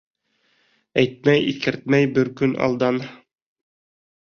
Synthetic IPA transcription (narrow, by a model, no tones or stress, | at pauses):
æjt̪̚mæjḭkɘ̆ɾt̪̚mæjbɘɾkɵnɑ̰lˠd̪ɑn